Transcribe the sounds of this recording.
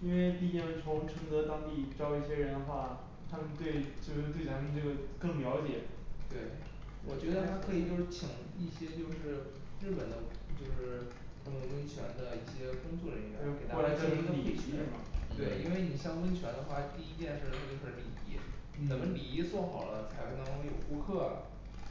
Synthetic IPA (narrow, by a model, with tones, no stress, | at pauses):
i˥nwe˥˧ɪt̪i˥˧˥t͡ɕjɛ˥˧˩t͡sʰʊ˧˥ŋʈ͡ʂʰɤ˧˥ŋd̪ɤ˧˥t̪ɑ˥ŋt̪i˥˩ʈ͡ʂɑ˥ʊi˥˩ɕjɛ˥ɻə˧˥nd̪ə˧xwa˥˩ | t̪ʰa˥mə˨˧nt̪we˥˧ɪt͡ɕjo˥˧ʊʂ̩˥˧t̪we˥˩ɪt̪ʰa˥mə˧nʈ͡ʂɤ˥˩ə˩kɤ˥˩ŋljɑ˧˥ʊt͡ɕjɛ˨˩˦t̪we˥˩ɪ | wɔ˨˩t͡ɕɥɛ˧˥d̪ə˧t̪ʰa˥kʰɤ˧˥i˨˩t͡ɕjo˥˧ʊʂɻ̩˥˩t͡ɕʰi˨˩˦ŋ | i˥˩ɕjɛ˥t͡ɕjo˥˧ʊʂɻ̩˥˧ | ɻɻ̩˥˩pə˨˩nd̪ə˦t͡ɕjo˥˧ʊʂɻ̩˥˩ | k̪ʰɤ˥˩ŋə˧˩wə˥nt͡ɕʰɥɛ˧˥nd̪ə˧i˥˩ɕjɛ˥kʊ˥ŋt͡swɔ˥˩ɻə˧˥˧ke˨˩ɪt̪a˥˧˥a˥i˨i˥˩˥mɐ̰˩t̪we˥˩ɪi˥nwe˥˩ɪni˨˩ɕjɑ˥ŋwə˥nt͡ɕʰɥɛ˧˥nd̪ə˧xwa˥˧˩t̪i˥˧i˥t͡ɕjɛ˥˧nʂɻ̩˥˩˧xʰə˥˩˧kʰli˨˩i˧˥ | t͡sə˨˩nmə˦li˨˩i˧˥t͡swɔ˥˩xɑ˨˩ʊlə˦t͡sʰa˧˥ɪkʰnʰ˥k̪ʊ˥jo̰˨˩ʊxu˧˥kʰɤ˥˩ɐ̰˩